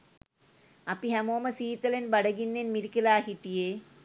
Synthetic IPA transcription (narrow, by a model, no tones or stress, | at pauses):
ɐpːiɦɐmoːmɐsiːt̪ːɐlenbɐɽɐɡinːenmiɾikːɐlaːɦiʈːije